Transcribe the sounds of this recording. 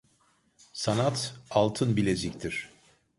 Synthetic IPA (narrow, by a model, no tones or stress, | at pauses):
sanat̪alˠt̪ʰɯnbilʲezict̪ʰiɾ̝̥